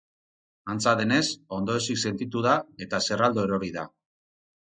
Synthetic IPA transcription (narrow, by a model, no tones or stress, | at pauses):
ant͡saðe̞ne̞so̞nd̪o̞esikse̞nt̪it̪uðae̞t̪ase̞rald̪o̞eɾo̞ɾiða̰